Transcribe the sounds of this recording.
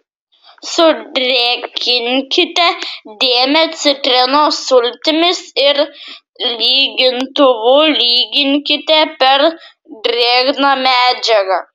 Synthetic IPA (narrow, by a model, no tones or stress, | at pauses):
sʊdɾʲɛkʲʰɪnʲkʲɪt̪ʲɛd̪ʲeːmʲɛt̪sʲɪt̪ʲɾʲɪnoːsʊlʲt̪ʲɪmʲɪsɪɾ | lʲiːɡʲɪnt̪ʊʋʊlʲiːɡʲɪŋʲkʲɪt̪ʲɛpʲɛɾ | d̪ʲɾʲeːɡnɑmʲæːd͡ʒʲɛɡɐ